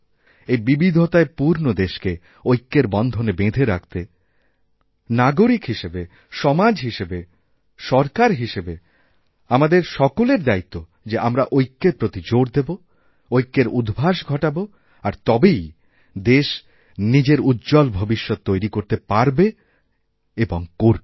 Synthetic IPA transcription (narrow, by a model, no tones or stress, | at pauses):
ebibid̪ʱot̪aepuɾnod̪eʃke | ojkːeɾbɔnd̪ʱonebed̪ʱeɾak̚t̪e | naɡoɾikɦiʃebe | ʃɔmad͡ʑɦiʃebe | ʃɔɾkaɾɦiʃebe | amad̪eɾʃɔkoleɾd̪ait̪ːo | d͡ʑeʔamɾaʔojkːeɾpɾot̪id͡ʑoɽd̪ebo | ojkːeɾud̪ʱbʱaʃɡʱɔʈabo | aɾt̪ɔbej | d̪eʃ | nid͡ʑeɾud̪d͡ʑɔlbʱobiʃːɔt̪̚ːojɾikoɾt̪epaɾbe | eboŋkoɾbe